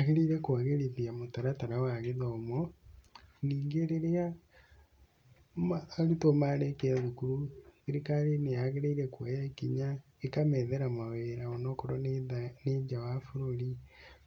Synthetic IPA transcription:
aɣeɾeiɾɛkwaɣeɾeðiamotaɾataɾawaɣeðɔːmɔ | niːŋɡeɾeɾea | maːɾutomaɾekeaðukuɾuθeɾikalenejaɣeɾeiɾɛkwɛjɛkiɲa | ekamɛðɛɾamaweɾaɔnɔkɾɔneɲd͡ʒawafuɾoɾi

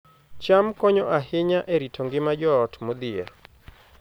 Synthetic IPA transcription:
t͡ʃamkɔɲɔʔaɦɪɲaʔeɾitʰɔŋɡɪmad͡ʒɔːtmod̪ɪɛ̰ɾ

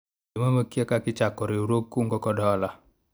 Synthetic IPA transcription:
imaməkiakakit͡ʃakɔɾiuɾokːuŋɡɔkɔdɔala

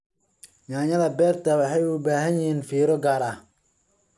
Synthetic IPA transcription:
jaːɲɐðɐbɛːrt̪ʰɐwɑħɑjʊbaːɦɐnjɪɦiːnfiːɾɔɡaːɾɐh

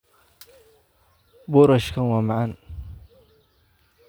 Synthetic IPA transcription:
bʊːɾɐʃkʰɐnwɑːmɑʕɑn

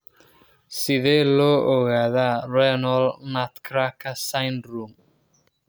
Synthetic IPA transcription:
siðeloːɔɣaðaɾɛnɔlnat̪kʰɾakʰasajnɾum

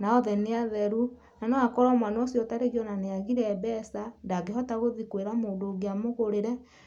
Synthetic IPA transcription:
naɔðɛneaðɛɾu | nanɔakɔɾɔmwanɔɔsjɔtaɾeɣiɔnaneaɣiɾɛːbɛsandaɡeɦɔtaɣoðikweɾamoːdoɣeamoɣoɾeɾɛ

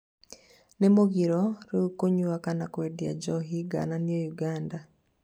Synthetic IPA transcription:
nɛmoɡiɾɔɾeukoɲuwakanakwedia̰d͡ʒɔɦiɡa̰naniojuɡanda

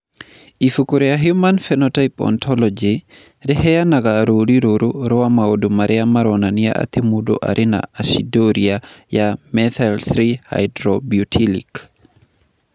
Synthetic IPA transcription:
ifukuɾejaɦjumanfɛnɔtajpɔ̰ntʰɔlɔd͡ʒi | ɾɛɦɛjanaɡaɾoɾiɾoɾuɾɔamaodumaɾʔɛamaɾɔnania̰ʔa̰t̪emudo̰ʔa̰ɾʔena̰asidoɾiajamɛt̪alθɾiha̰jdɾobjutʰilḭk

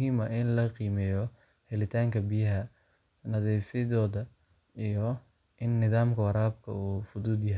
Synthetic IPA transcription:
mɦiːmɐɪnlɐqiːmɛːjɔ | hɛlɪt̪ʰaːŋkʰɐbijɐɦɐ | nɐðiːfɪðɔːðɐ | ijɔ | ʔɪnːɪðaːmkʰɐwɑɾaːb̚kʰɐ̰uːfʊðuːd̪jɐɦɛj

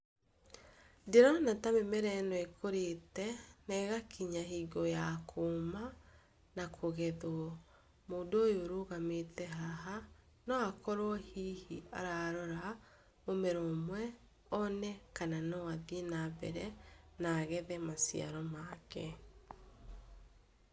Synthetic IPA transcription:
deɾɔnatamemɛɾɛnɔekʰoɾetɛnɛɣakʰiɲaɦiɡɔjakʰoːma | nakʰoɣɛðwɔ | moːndoːjoɾoɣametɛɦaɦa | nɔakɔɾwɔhihia̰ɾaɾɔɾa | omɛɾomwɛ | ɔnɛkananɔwaðinaβɛɾɛnaːɣɛðɛmasḭa̰ɾɔmakɛ

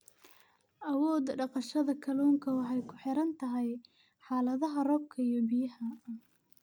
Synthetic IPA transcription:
ʔɐwɔːd̪ɖɑqɑʃɐðɐkʰɐluːŋkʰɐwɑħɑjkʰʊ̥ħɪɾɐnt̪ʰɐɦɛj | ħɑːlɐðɐɦɐrɔb̚kʰɐijɔbɪjɐhɐ

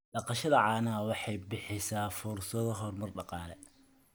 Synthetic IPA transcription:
ɖɑqɑʃɐðɐʕɑːnawɑħɑjbɪħɪjsaːfʊrsɐðɔɦɔrmɐrɖɑqɑːlɛ

